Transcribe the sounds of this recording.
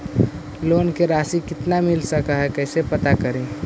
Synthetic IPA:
loːnkeɾaːsikɪt̪namɪlsəkaɦɛkɛːsepət̪akəɾẽː

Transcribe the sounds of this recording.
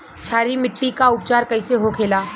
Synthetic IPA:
t͡ʃʰaːɾimɪʈːikaʊp̚t͡ʃaːɾkɐɪseɦokʰeːlaː

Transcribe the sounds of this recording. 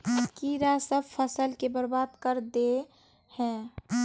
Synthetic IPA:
kiɾasəbpʰəsəlkebəɾbaːd̪kəɾd̪e | hɛ̃ː

